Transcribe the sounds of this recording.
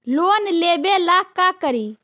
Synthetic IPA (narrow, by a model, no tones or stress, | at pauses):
loːnleːbelakːakəɾiː